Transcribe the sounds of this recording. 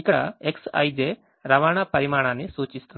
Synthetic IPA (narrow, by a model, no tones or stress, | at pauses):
ikːɐɽɐeksɐ̰jd͡ʒeː | ɾɐʋaːɳapɐɾimaːɳaːnːisuːt͡ʃist̪un